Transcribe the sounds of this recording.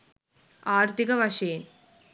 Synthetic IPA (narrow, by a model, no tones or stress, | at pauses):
aːɾt̪ikɐʋɐʂeːn